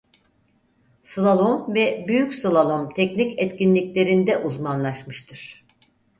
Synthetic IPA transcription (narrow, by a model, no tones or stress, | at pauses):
sɯlˠalˠomvɛbyjycʲslˠalˠomt̪ʰɛcnicɛt̪cinlʲicʲlʲe̞ɾind̪ɛʔuzmanlˠaʃmɯʃt̪ʰɯɾ̥